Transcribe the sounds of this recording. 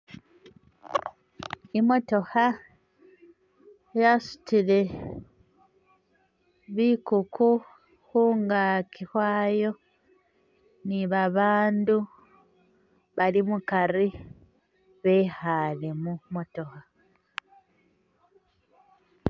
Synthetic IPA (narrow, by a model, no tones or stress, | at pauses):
imo̞to̞ha | jasu̥tile̞ | βiːkuku | huːŋɡaːkʰihwaːjo̞ | niβaβaːndu | βalimukaɾi | βehalemumo̞to̞ha